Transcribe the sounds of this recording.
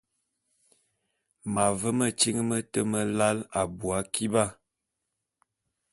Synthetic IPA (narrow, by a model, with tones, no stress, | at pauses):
ma˨və˦mə˨t͡ʃi˦ŋ˦mə˦tə˦mə˦la˦la˨bu˨a˨˦kʰi˦ba˦˨